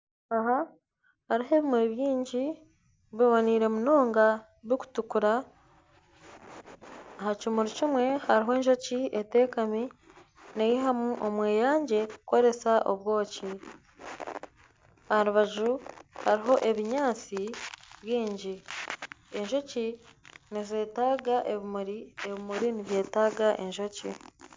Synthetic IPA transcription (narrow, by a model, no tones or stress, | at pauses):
aɦa | haɾiɦe̞ːβimwe̞βjiːɲɟi | βeβaniːɾe̞muno̞ːŋɡa | βiku̥tukuɾa | ɦacimuɾicimwe̞haɾiɦo̞ːɲʒo̞ciete̞ːkami | nejiɦamuʔomwe̞ːjaːɲɟe̞kuko̞ɾe̞saʔo̞̰βwo̞ːci | aɾuβaʒuhaɾiɦo̞ʔe̞βiɲaːt͡siβjiːɲɟi | e̞ɲʒo̞cinize̞ːtaːɡaʔeβimuɾieβimuɾiniβje̞ːtaːɡaʔe̞ɲʒo̞ci